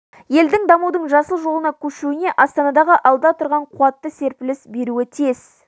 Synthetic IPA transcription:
je̞ld̪ɪŋd̪ɑmud̪əɴʒɑsəlˠʒo̞lˠənɑkʲʰɵʃuɪne̞ʔɑst̪ɑnɑd̪ɑʁəʔɑlˠd̪ɑt̪ʰʊɾʁɑɴqʰuɑt̪ːəse̞ɾpɪlɪsbe̞ɾuɪt̪ʰez̥

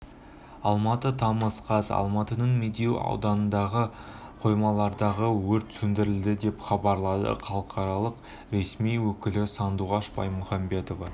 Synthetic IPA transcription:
ɑlˠmɑt̪ət̪ʰɑməsqɑsɑ̰lˠmɑt̪ənəɴmed̪ewɑ̰wd̪ɑnənd̪ɑʁəqʰo̞jmɑlˠɑɾd̪ɑʁəwɵɾt̪ʰsɵnd̪ɪɾɪld̪ɪd̪e̞pχɑbɑɾlˠɑd̪ə̰χʰɑlˠəqʰɑɾɑlˠəq | ɾe̞smijwɵkʲɪlɪsɑnd̪uʁɑʃbɑ̰jmʊχɑmbe̞t̪o̞vɑ

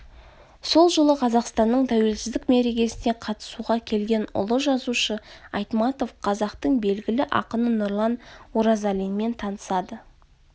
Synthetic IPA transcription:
so̞lˠʒəlˠəqʰɑzɑqst̪ɑnːəɴt̪ʰæwe̞lsɪzd̪ɪkme̞ɾe̞ɡʲe̞sɪne̞qʰɑt̪ə̥suʁɑkʲʰe̞lɡʲe̞nʊ̰lˠəʒɑzuʃəɑjt̪mɑt̪o̞fqʰɑzɑqt̪əɴbe̞lɡʲɪlɪʔɑ̰qənənʊrlˠɑnwoɾɑzalijnme̞nt̪ʰɑnəsɑd̪ə

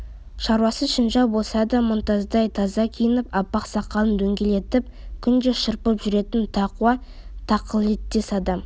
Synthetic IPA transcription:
ʃɑɾwɑsəʃənʒɑwbo̞lˠsɑd̪ɑmʊnt̪ɑzd̪ɑjt̪ʰɑzɑkʲʰijənəpɑpːɑqsɑqɑlˠənd̪ɵŋɡʲe̞le̞t̪ɪp̚kʲʰʏnd̪eʃəɾpəpʒʏɾe̞t̪ɪnt̪ʰɑquɑ | t̪ʰɑqʰəlˠet̪ːesɑd̪ɑm

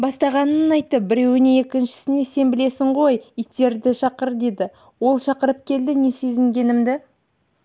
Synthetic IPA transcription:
bɑst̪ɑʁɑnənənɑjt̪ːəp̚bɪɾe̞wɪnee̞kʲɪnʃɪ̥sɪne̞se̞nbɪle̞sɪɴʁo̞jit̪ːe̞ɾd̪ɪʃɑqəɾd̪e̞d̪ɪ | wo̞lˠʃɑqəɾəp̚kʲʰe̞ld̪ɪne̞sezɪŋɡʲe̞nɪmd̪ɪ

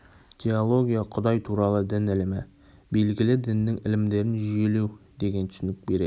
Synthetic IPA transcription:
tʲʰeolˠo̞ɡʲijɑqʰʊ̆d̪ɑjt̪ʰuɾɑlˠɤd̪ɪnɪ̆lmɪ | belɡʲɪlɪd̪ɪ̆nːɪŋɪ̰̆lɪmd̪e̞ɾɪnʒʏjelewd̪̥eɡʲent̪ʰʏ̥sɪnɪk̚beɾe

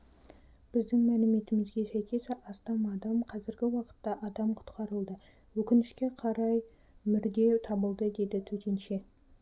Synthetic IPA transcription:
b̥ɪzd̪ɪŋmælɪme̞t̪ɪmɪzɡʲe̞sæjkʲe̞sʔɑst̪ɑmɑd̪ɑmqʰɑzɪɾɡʲɪwɑqə̥t̪ːɑʔɑd̪ɑmqʰʊ̥t̪qɑɾəlˠd̪ə | wɵkʲɪnɪʃkʲe̞qʰɑɾɑj | mɪɾd̪e̞wt̪ʰɑbəlˠd̪əd̪e̞d̪ɪt̪ʰɵt̪ʲe̞nʃe̞

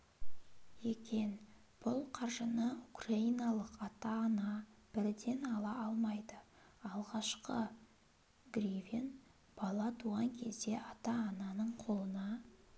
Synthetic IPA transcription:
ekʲe̞n | b̥ʊlˠqʰɑɾʒənəukraijnɑlˠəqɑt̪ɑːnɑb̥ɪɾd̪e̞nɑlˠɑʔɑlˠmɑjd̪ə | ɑlˠʁɑʃqə | ɡrivʲin | b̥ɑlˠɑt̪ʰuʁɑŋkʲʰe̞zd̪e̞ʔɑt̪ɑːnɑnəɴqʰo̞lˠənɑ

